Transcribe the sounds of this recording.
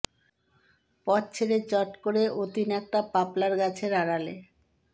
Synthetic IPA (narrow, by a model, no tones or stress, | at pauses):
pɔtt͡ɕʰeɾet͡ɕɔʈkoɾeʔot̪inɛk̚t̪apaplaɾɡat͡ɕʰeɾaɾale